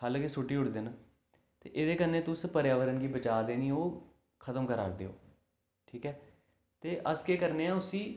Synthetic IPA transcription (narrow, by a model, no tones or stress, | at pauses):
aːlkesʊʈːiːʊɽd̪eːnaː | t̪ḛːʔɪd̪eːkəneːt̪ʊspəɾjaːʋəɾənɡiːbət͡ʃaːd̪eːnĩːoː | kʰət̪əmkəɾa̰ːɾd̪ḛːo̰ː | ʈʰiːkɛː | t̪eːʔəskeːkəɾneːãːʊsiː